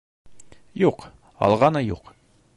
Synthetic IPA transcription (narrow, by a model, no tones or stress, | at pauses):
juq | ɒ̰lˠʁɑnɤjṵq